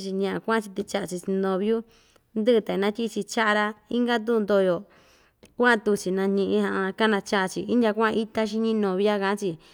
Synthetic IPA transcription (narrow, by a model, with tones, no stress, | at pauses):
t͡ʃi˧ɲã˧ʔã˨˧kʷã˦˧t͡ʃi˧t̪i˧t͡ʃa˦ʔa˧t͡ʃi˧si˧nd̪õ˧βju˦ | nd̪ɨ˦˧t̪a˨nã˦tʲi˦˧t͡ʃi˧t͡ʃa˦ʔa˧ɾa˧i˦ŋɡa˦t̪̬u˦˧nd̪o˧jo˨ | kʷa˦˧t̪u˧t͡ʃi˨nã˧ɲĩ˧ʔĩ˧ɦã˧ʔa˧ka˦nã˧t͡ʃa˦ʔt͡ʃi˧i˦ndʲa˧kʷi˦t̪a˦ʃ̬i˧ɲĩ˦nõ˨βi˦a˦ka˧˨ã˦t͡ʃi˧